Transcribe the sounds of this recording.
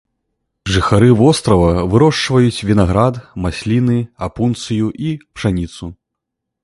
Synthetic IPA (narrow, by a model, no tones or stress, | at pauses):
ʐɨxaɾɨvɔst̪ɾɐvɐvɨɾɔʂt͡ʂvɐjut͡sʲvʲinaɣɾad̪masʲlʲinɨapunt̪sɨjuʔipʂanʲit̪su